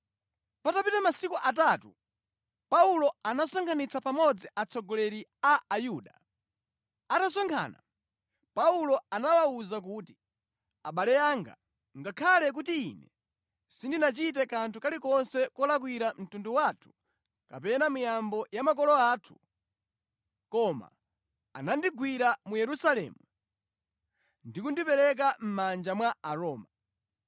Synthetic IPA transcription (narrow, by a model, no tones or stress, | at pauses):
patapitamasikuʔat̬atṵ | paulɔanasaŋkʰanit͡sapamɔd͡ziʔat͡sʰɔɡɔlɛɾiaajuːɗa | atasɔŋkʰa̰ːna̰ | paulɔanawauzak̬uːti | a̰ɓalɛjaŋɡa̰ | ŋɡakʰalɛk̬utiḭnɛ | sindinat͡ʃit̬ɛkantʰukalikɔnsɛkɔlak̬wiɾam̩tunduwatʰu̥ | ka̰pɛnamujambɔjamak̬ɔlɔaːtʰu̥ | kɔma̰ | a̰nandiɡwiɾamujɛɾusalɛ̰ːmu | ndikundipɛɾɛk̬am̩mand͡ʒamwaaɾɔːma